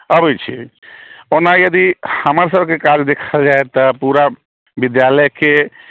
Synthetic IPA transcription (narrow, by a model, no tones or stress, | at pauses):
əbɛt͡ʃʰḭ | onajəd̪ihəməɾsəbkekad͡ʒd̪ekʰəld͡ʒaet̪əpuɾa | bid̪jaləjke